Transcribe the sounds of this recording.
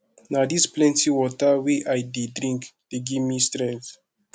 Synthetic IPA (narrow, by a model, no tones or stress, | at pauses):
nadisplɛ̃ntiwɔtəweʔajdedɾĩŋkd̥eɡimistɾɛ̃nθ